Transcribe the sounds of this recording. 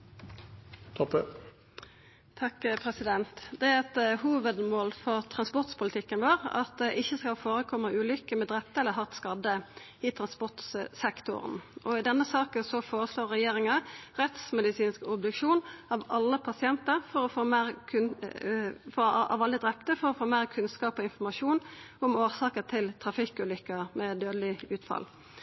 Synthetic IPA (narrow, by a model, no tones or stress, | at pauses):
t̪ʰɔpə | t̪ʰɑkpʰʁɛsɪd̪ɛnt̪d̪ɛæɾɛt̪huːʋəd̪moːlfɔʁt̪ʰʁɑnspɔʁt̪spʊlɪt̪ʰɪkːənʋoːɾɑ̰t̪̚d̪ɛʔɪçːəskɑlfoːɾəkʰɔmːəʉːlʏkːəmɛd̪ʁɛp̚t̪əɛlːəɦɑʁt̪skɑd̪ə | ɪt̪ʰɾɑnspɔʁt̪ssɛkt̪ʊ̰ɾə̰nɔɪd̪ɛnːəsɑːkənsɔfoːɾəsloːʁːɛjeːɾɪŋəʁɛt̪smɛd̪ɪsiːnskɔbd̪ʉkʂuːnɑʋɑlːəpʰɑsɪɛnt̪əɾfɔɾɔfoːmæːʁkʰʉn | fɔɑ̰ʋɑləd̪ɾɛp̚t̪əfɔɾɔfoːmæːʁkʰʉnskɑːpɔɪnfɔʁmɑʃuːnʊmoːʁsɑːkət̪ʰɪlt̪ʰɾɑfɪkːʉːlʏkːəmɛd̪øːd̪əlɪʉːt̪fɑ̰l